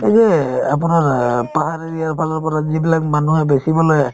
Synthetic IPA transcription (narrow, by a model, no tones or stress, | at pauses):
ɛzɛap̬ʊnaɹpaɦaɹiɹijaɹpʰalɔɹpɔɹazibilak̚manuhɛbesibɔlɔj